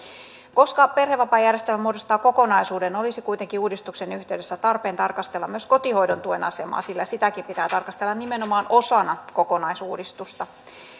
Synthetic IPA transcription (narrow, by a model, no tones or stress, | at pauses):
ko̞skɑpe̞rɦeʋːɑpɑjærjest̪ælmːæmuodost̪ɑːko̞ko̞nɑjsuːde̞no̞lisikujt̪e̞ŋkiuːdist̪ukse̞nyht̪e̞yde̞sːæt̪ɑrpe̞ːnt̪ɑrkɑst̪e̞lːɑmyøsko̞t̪iho̞jdo̞nt̪uenɑ̰se̞mɑ̰ːsilːæsit̪ækimpit̪æːt̪ɑrkɑst̪elːɑnime̞no̞mɑːno̞sɑnɑko̞ko̞nɑjsuːdist̪ust̪ɑ